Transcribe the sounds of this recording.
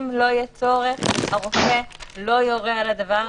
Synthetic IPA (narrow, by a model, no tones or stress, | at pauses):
mlo̞jɛt͡so̞ʁeχaʁofelo̞joʁealad̪ava